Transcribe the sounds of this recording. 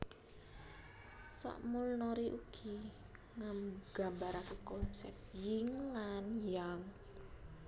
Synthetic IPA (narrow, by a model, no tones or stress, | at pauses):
sɔ̰ʔmulnɔɾiʔuɡ̥i | ŋamɡ̥a̤mbaɾakekɔnsɛ̰p̚t̪jɪŋlanjaŋ